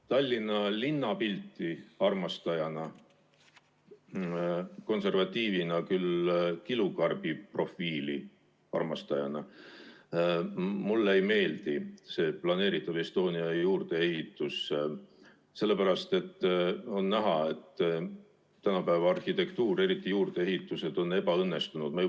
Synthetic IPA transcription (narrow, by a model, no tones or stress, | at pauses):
t̪ɑlʲːinɑlinːɑpilt̪ːˑiɑrmɑst̪ɑjɑnɑ | ko̞nse̞rvɑt̪ʲːˑiːvinɑkylkilukɑrb̥ipro̞fiːlḭ | ɑ̰rmɑst̪ɑjɑ̰nɑ | mulːejme̞ːld̪̥ise̞ːplɑne̞ːɾit̪ːˑɑvist̪o̞ːniɑjjuːrd̪̥e̞e̞ɦit̪ːˑus | se̞lːe̞pæɾɑst̪e̞t̪ːˑo̞nːæɦɑe̞t̪ː | t̪ænɑpæːvɑɑrhit̪e̞kt̪uːɾe̞ɾit̪ˑːijuːrd̪e̞e̞ɦit̪ːˑuse̞d̪̥o̞nːe̞bɑɤnːe̞st̪unud̪̥mɑj